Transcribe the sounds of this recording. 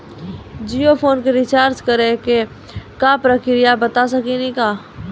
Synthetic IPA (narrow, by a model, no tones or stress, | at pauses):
d͡ʒijopʰoːnkeɾɪt͡ʃaːɾt͡ʃkəɾeke | kapɾəkʰɾijabət̪as̬əkinĩkaː